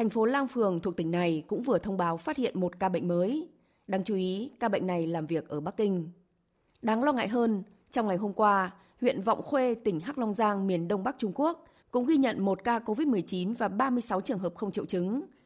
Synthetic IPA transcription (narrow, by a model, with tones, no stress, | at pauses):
t̪ʰa˨˩jŋ̟fo˨˦laː˧ŋfɨ˨˩əŋt̪ʰu˨˩ək̚t̪ï˧˩ŋ̟na˨˩jkʊ̰˧˥ŋ͡mvɨ˨˩ət̪ʰə˧wŋ͡mɓaː˨˦wfaː˦˥t̚hḭ˧˨ənmo˨˩t̚kaː˧ɓə̰˧˨ŋ̟məː˨˦j | ɗaː˨˧ŋt͡ɕu˨˦ʔi˨˦kaː˧ɓə̰˧˨jŋ̟na˨˩jlaː˨˩mvi˨˩ək̚ʔəː˧˩ɓa˦˥k̚ːï˧ŋ̟ | ɗaː˨˦ŋlɔ˧ŋa̰ː˧˨jɦəː˧n | t͡ɕɔ˧wŋ͡mŋa˨˩jɦo˧mkwaː˧ | hwḭ˧˨ənvɔ̰˧˨wŋ͡mxwe˧t̪ï˧˩ŋ̟ɦaː˦˥k̚lɔ˧wŋ͡mzaː˧ŋmi˨˩ənɗə˧wŋ͡mɓa˦˥k̚t͡ɕʊ˧ŋ͡mku˦˥ək̚ | kʊ̰˧˥ŋ͡mɣi˧ɲə̰˧˨nmo˨˩t̚kaː˧ko˧vi˦˥t̚mɨ˨˩əjt͡ɕi˨˦nvaː˨˩ɓaː˧mɨ˧əjsa˨˦wt͡ɕɨ˨˩əŋɦəː˨˩p̚xə˧wŋ͡mt͡ɕḭ˧˨wt͡ɕɨ˨˦ŋ